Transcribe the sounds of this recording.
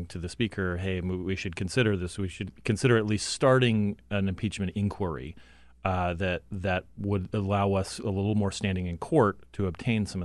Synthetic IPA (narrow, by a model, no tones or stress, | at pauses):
ŋtʰɨðɨspikʰə˞ɦeɪ̃wiʃɨd̚kʰɨ̃n̩sɪɾə˞ðɪswiʃɨd̚kʰɨ̃nsɪɾə˞ɨtˡliststɑɹɾɪ̃ŋɨ̃nɨ̃mpʰit͡ʃmɨ̃ñtɪ̃nkʰw̥ə˞ḭ | ðɨt̪̚ðɨt̚wəɾəlaʊʌsəlɪɾl̩ˠmɔɹstæ̃ndɪ̃ŋɨ̃nkʰɔɹtʰɨːb̚tʰẽɪ̃nsʌ̃mʌ